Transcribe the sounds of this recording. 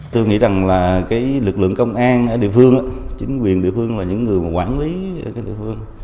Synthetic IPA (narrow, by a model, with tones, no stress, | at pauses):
t̪o˧jŋḭ˧˥za˨˩ŋlaː˨˩kaː˨˦jlɨ˨˩k̚lɨ̰˧˨əŋkə˧wŋ͡mʔaː˧nʔəː˧˩ɗḭ˧˨əfɨ˧əŋʔaː˨˦t͡ɕï˨˦ŋ̟kwi˨˩ənɗḭ˧˨əfɨ˧əŋlaː˨˩ɲɨ̰˧˥ŋːɨ˨˩əjmaː˨˩kwaː˧˩nli˨˦ə˧˩kaː˨˦jɗḭ˧˨fɨ˧əŋ